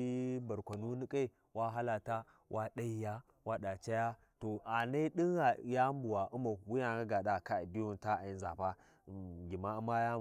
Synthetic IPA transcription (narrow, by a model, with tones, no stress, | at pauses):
ba˨ɾkʷa˨nu˦ni˦kʼe˦˨ | wa˦ɦa˦la˨ta˦ | wʔa˦ɗa˦i˨˦ja˦ | wa˦ɗa˨t͡ʃa˦ja˦ | to˨ʔa˨ne˦ɗi˦ŋɣa˨ja˦mbu˨wa˨ʔu˦ma˨wu˦ja˨ɡa˦ɡa˨ɗa˦˨ka˦˨di˦wu˦nta˦a˨i˦nza˨ɸa˦˨ | ɡʲi˨ma˦u˦ma˦ja˦˨